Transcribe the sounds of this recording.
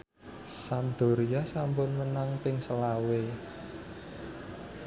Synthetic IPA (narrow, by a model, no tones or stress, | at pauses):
sand̪̥o̤ɾiasampʊnmənaŋpɪŋsəlawe